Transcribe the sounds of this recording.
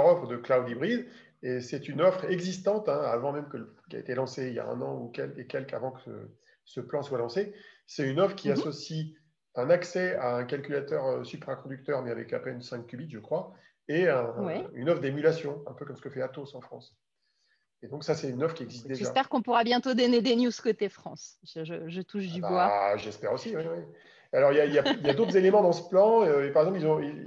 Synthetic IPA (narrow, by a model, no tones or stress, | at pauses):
ʁɔvʁəd̪əklawd̪ibʁid̪ | esɛt̪ynɔfχɛɡzist̪ɑ̃t̪ɛ̃avɑ̃mɛmkələkʲia̰ḛt̪elɑ̃seilja̰ɛ̰̃nɑ̃ukʲɛlkekʲɛlka̰vɑ̃kə̥sə̰ | səplɑ̃swalɑ̃sesɛynɔfə̥kʲiasɔsi | ɛ̃naksɛaɛ̃kalkʲylat̪œʁøsypχakɔ̃d̪yk̚t̪œʁmɛavɛ̰ka̰pɛnsɛ̃kkʲːybit̪ʒəkχwa | eɛ̃wɛynɔvʁd̪emylasjɔ̃ɛ̃pøkɔmsə̥kəfɛat̪osɑ̃fχɑ̰̃s | ed̪ɔ̃ksasɛt̪ynɔvʁəkʲiɛɡzist̪d̪eʒɛʒsapɛʁkɔ̃puʁabjɛ̃t̪od̪ɔned̪enjuskot̪efχɑ̰̃s | ʒəʒəʒət̪uʃd̪ybawaʒɛspɛʁosiwɛwi | alɔʁiljailjailjad̪ot̪χχzelemɑ̃d̪ɑ̃sə̥plɑ̃øepaʁɛɡzɑ̃plilzɔ̃i